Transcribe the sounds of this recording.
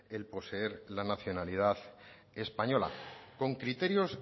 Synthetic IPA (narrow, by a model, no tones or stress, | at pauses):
e̞lpo̞see̞ɾlanaθjo̞nalið̞að | e̞spaɲo̞la̰ko̞ŋkɾit̪e̞ɾjo̞s